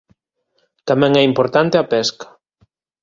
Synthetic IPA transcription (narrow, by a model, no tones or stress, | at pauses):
t̪amɛ̃ŋɛimpoɾt̪ant̪eɐpɛskɐ̥